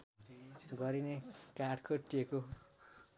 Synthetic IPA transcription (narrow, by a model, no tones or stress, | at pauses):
ɡʌɾinekaɖkʰʌʈːieko